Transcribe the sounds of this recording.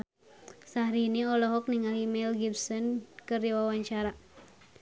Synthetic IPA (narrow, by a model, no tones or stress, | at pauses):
sahɾiniɔlɔɦɔk̚niŋaɦimɛlɡibsɔnkɨrdiwawaɲt͡ʃaɾa